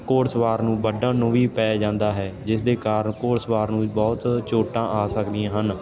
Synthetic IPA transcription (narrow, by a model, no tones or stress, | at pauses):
koːɾsʋaːɾnũːbəɖãːnʊʋiːpɛːd͡ʒãːnd̪aːɦɛːd͡ʒɪsd̪eːkaːɾəɳkoːɾsʋaːɾnũːbɔːt̪t͡ʃoːʈãːʔaːsəkd̪ijãːɦən